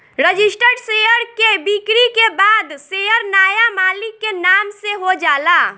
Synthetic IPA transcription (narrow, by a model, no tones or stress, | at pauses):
ɾəd͡ʒɪsʈəɖsejəɾkebikɾikebaːd̪seːəɾnaːjamaːlɪkːenaːmseɦod͡ʒaːlaː